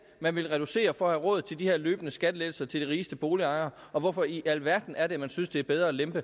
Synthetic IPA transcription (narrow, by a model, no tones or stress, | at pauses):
mænʋe̝lʁɛɾ̥use̝̰ːɐfɒ̽ɒ̽hæʁɔ̽ð̩ˠt͡sʰe̝ld̥iheɐ̰løːb̥ənəsɡ̥æd̥leːl̩sɐt͡sʰe̝ld̥iʁiːsd̥əb̥o̝ːliɑ̈ɪɐʔɒ̽ʋɒfɒ̽iʔælʋæɐd̥n̩æɐɾe̝mænsynsd̥eæɐb̥eð̞ˠʁɐlemb̥ə